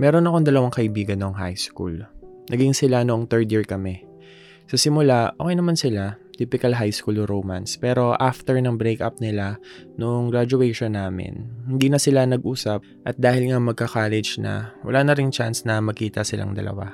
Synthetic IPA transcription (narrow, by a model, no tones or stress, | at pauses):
mɛːɾo̞nɐko̞ŋd̪ɐlɐwaŋkɐʔɪbiːɡɐnːoŋɦa̰jskṵlnɐɡɪŋsɪlanoʔoŋt̪ɛɹd̪jiɹkɐmɛ | sɐsɪmʊlaʔoːkɛjnɐmansɪlat̪iːpɪkɐlɦajskulɾowma̰nspɛːɾo̞ʔaft̪ɛɹnɐŋbɾɛkʔa̰p̚nɪlanoʔoŋɡɹad͡ʒʊɛʃonːaːmɪ̰nhɪnd̪iːnɐsɪlanɐɡ̚ʔuːsɐp̚ | ʔɐt̪̚d̪aːhɪlŋaɐŋmɐɡ̚kɐkaːlɛd͡ʒnɐ̰wɐ̰laːnɐɾɪŋt͡ʃansnɐmɐkiːt̪ɐsɪla̰ŋd̪ɐ̰lɐ̰wa̰